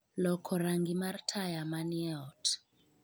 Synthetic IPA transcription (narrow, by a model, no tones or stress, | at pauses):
lɔkʰɔɾaŋɡimartʰajamaniɛt